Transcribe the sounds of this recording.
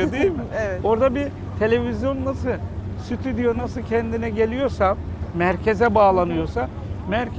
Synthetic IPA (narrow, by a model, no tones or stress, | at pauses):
od̪ijimo̞ɾd̪abi | t̪ʰe̞lʲe̞vizjo̞nːasɯlˠsyt̪ʰyd̪ijonasɯlcʰɛnd̪inɛɟe̞lʲijo̞ɾsamæɾcʰe̞zɛbaːlˠanɯjo̞sa | mæɾ